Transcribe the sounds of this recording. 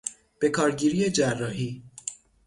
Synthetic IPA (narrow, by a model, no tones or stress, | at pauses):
b̥e̞kʰɒːɾɟiːɾiːed͡ʒærːɒːɦiː